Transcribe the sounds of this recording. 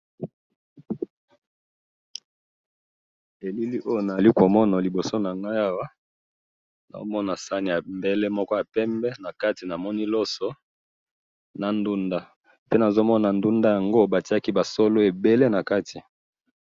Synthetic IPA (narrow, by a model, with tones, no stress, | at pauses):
e˨li˦li˦ʔo˦jo˨na˨li˦ko˨mɔ˦na˨li˨bo˨so˦na˨ŋɡa˦ja˦wa˦ | na̰˨o˦mɔ˦na˨sa˦ni˨a˨mbe˦le˦mɔ˦kɔ˦ja˨pɛ˦mbɛ˦na˨ka˦ti˨na˨mɔ˦ni˦lɔ˦sɔ˦ | na˨ndu˦nda˦ | pe˦na˨zo˦mɔ˦na˨ndu˦nda˦ja˨ŋɡo˦ba˨ti˦a˦ki˦ba˨so˦lo˦e˨be˦le˦na˨ka˦ti˨